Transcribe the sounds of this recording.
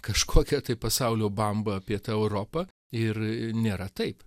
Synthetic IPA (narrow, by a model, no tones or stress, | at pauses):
kɐʃkʰoːkʲɛt̪ɐɪpɐsɐʊlʲoːbɐmbɐɐpʲiɛt̪ɐːɛʊɾoːpɐ | ɪrnʲeːɾɐt̪ɐɪp